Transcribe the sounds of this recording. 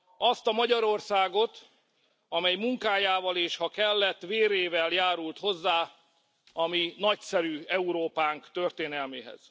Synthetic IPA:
ɒst̪ɒmɒɟɒɾo̞rsaːɡo̞t̪ | ɒmɛjmuŋkaːjaːvɒleːʃhɒkɛlːɛt̪ːʋveːɾeːvɛljaːɾult̪ho̞zːaː | ɒminɒcsɛɾyːɛuɾoːpaːŋkt̪ø̞rt̪eːnɛlmeːɦɛ̰z̥

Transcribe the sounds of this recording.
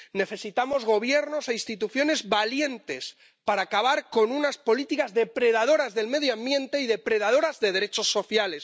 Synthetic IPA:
ne̞θe̞sit̪amo̞zɣ̞o̞β̞je̞ɾno̞seinst̪it̪uθjo̞ne̞zβalje̞nt̪e̞s | paɾaːkaβaɾko̞nunaspo̞lit̪ikazðe̞pɾe̞ð̞að̞o̞ɾazðe̞lme̞ð̞joãmbjẽ̞nt̪e̞iðe̞pɾe̞ðað̞o̞ɾazðe̞ðe̞ɾe̞t͡ʃo̞sːo̞θjale̞s

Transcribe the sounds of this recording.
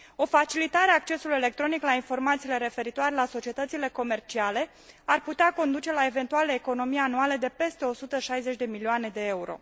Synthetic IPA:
o̞fat͡ʃilit̪aɾeaːk̚t͡ʃe̞sulujele̞k̚t̪ɾo̞niklainfo̞rmat̪sile̞ɾe̞fe̞ɾit̪oaɾe̞laso̞t͡ʃiet̪ət̪sile̞ko̞me̞rt͡ʃiale̞ | arput̪eako̞nd̪ut͡ʃe̞lae̞ve̞nt̪ualeːko̞no̞mijeanualed̪e̞pe̞st̪e̞o̞sut̪əʃajze̞t͡ʃʲd̪e̞milioane̞d̪e̞e̞uɾo̞̰

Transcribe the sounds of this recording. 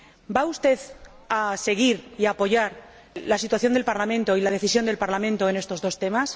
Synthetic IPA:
baust̪e̞ð | ase̞ɣ̞iɾiapo̞ʝaɾ | lasit̪waθjo̞nd̪e̞lpaɾlamẽ̞nt̪o̞ilað̞e̞θisjo̞nd̪e̞lpaɾlamẽnt̪o̞ene̞st̪o̞zðo̞st̪e̞mas

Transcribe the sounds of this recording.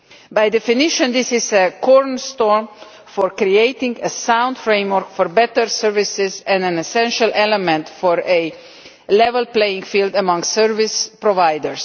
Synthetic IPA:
bajd̪ɛfɪnɪʃə̃nd̪ɪsɪzəkʰɔɹnst̪ɔɹm | fɔɹkɾieɪtɪ̃ŋɡəsãw̃ndfɾẽj̃mwəɾkfɔɾbɛtəɾsəɹvɪsɪzɛ̃ndæ̃nɛsɛ̃nʃəlʔɛlɛmɛ̃ntfɔɾə | lɛvəlpleɪɪ̃ŋɡfild̪əmʌ̃ŋsɜɹvɪspɾɔvajdəɹs

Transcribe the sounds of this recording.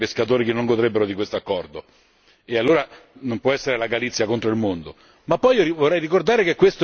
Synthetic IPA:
peskat̪oːɾikenːoŋɡod̪ɾebːeɾod̪ikwest̪oakːɔrd̪o | ealːoːɾa | nompwɔɛsːeɾelaɡalit̪sːjakont̪ɾoilmond̪o | mapːɔjivorːɛjrikord̪aːɾekekːwest̪o

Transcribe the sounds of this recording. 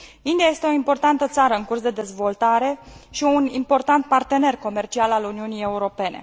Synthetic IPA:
ind̪iaje̞st̪eoimpo̞rt̪ant̪ət̪saɾəɨŋkursd̪e̞d̪e̞zvo̞lt̪aɾe̞ʃiunimpo̞rt̪ant̪̚part̪e̞ne̞rko̞me̞rt͡ʃialaluniunije̞uɾo̞pe̞ne̞̰

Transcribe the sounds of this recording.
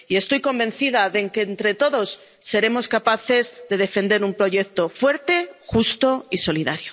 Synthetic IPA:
ie̞st̪o̞jko̞mbẽ̞n̟θiðaðeŋkent̪ɾe̞t̪o̞ðo̞sː | e̞ɾe̞mo̞skapaθe̞zðe̞ð̞e̞fẽ̞nd̪e̞ɾumpɾo̞ʝe̞k̚t̪o̞fwe̞ɾt̪e̞xust̪o̞iso̞liðaɾjo

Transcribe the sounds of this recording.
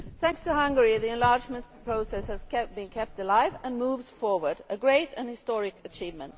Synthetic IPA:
θæ̃ŋkstʰɨhʌ̃ŋɡəɹiðiɨ̃nlɑɹd͡ʒmə̃npʰɹ̥oʊsɛshɨz̥kʰɛb̥ɨ̃nkʰɛp̚təlaɪvə̃nmuvz̥fɔɹwə˞dɨɡɹeɪɾɨ̃nhɨstɔɹɪkɨt͡ʃʰivmə̃nt

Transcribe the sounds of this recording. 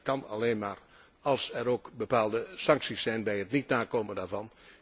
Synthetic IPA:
kɑnɑ̰leːnmaːr | ɑlˠsɛɾoːkbəpaːlˠdəsɑŋksisːɛjnbɛjətnitnaːkoːməndaːɹvɑn

